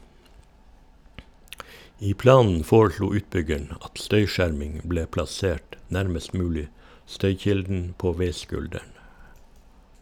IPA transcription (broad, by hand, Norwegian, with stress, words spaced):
ˈiː ˈplɑːnn̩ ˈfoːɹˌʃluː ˈʉːtˌbʏɡəɳ ˈɑt ˈstœʏˌʃæɾmɪŋ ˈbleː plɑˈseːʈ ˈnæɾməst ˈmʉːlɪ ˈstœʏˌçɪldn̩ ˈpoː ˈʋeɪˌskʉldæɳ